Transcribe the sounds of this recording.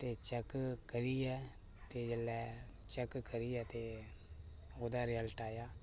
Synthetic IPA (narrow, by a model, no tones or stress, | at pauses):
t̪eːt͡ʃəkkəɾiːɛː | t̪eːd͡ʒəlːɛːt͡ʃəkkəɾiːɛːt̪eː | oːd̪aːɾɪjəlʈaːjaː